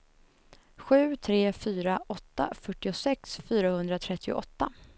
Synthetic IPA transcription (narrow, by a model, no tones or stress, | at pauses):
ɧʉ̟ːt̪ʰɾeːfyːɾaʔɔt̪ːa̰fœʈːɪʊsɛksfyːɾahɵnd̪ɾat̪ʰɾɛt̪ʰːɪʊ̰ʔɔt̪ːa